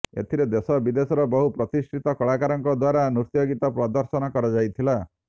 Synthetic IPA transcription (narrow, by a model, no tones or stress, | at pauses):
ḛt̪ʰiɾed̪esɔbid̪esɔɾɔbɔɦupɾɔt̪isʈʰit̪ɔkɔɭakaɾɔŋkɔd̪waɾanuɾt̪joɡit̪ɔpɾɔd̪ɔɾsɔnɔkɔɾɔd͡ʒajt̪ʰila